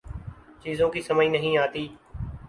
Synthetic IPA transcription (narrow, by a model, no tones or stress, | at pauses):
t͡ʃiːzõːkiːsəməĩːnəɦĩːaːt̪iː